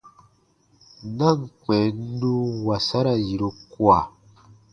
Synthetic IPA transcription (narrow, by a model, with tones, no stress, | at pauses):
na˦˨ŋ˨k͡pɛ˨˦u˦wa˨sa˦ɾa˨ji˨ɾo˦kwa˨